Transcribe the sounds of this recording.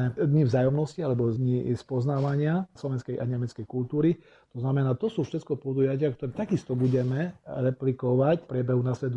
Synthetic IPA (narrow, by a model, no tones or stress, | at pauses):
ɛd̪ɲivzaːjɔmnɔscialɛbɔd̪ɲispɔznaːʋaɲɪaslɔʋɛnskɛjʔaɲɛmɛt͡skɛjkult̪uːɾi | t̪ɔznamɛnaːt̪ɔsuːfʃɛt̪kɔpɔd̪ujacɪakt̪ɔɾɛːt̪aɡist̪ɔbuɟɛmɛɾɛplikɔʋacpɾʲjɛbɛɦunasʋɛt̪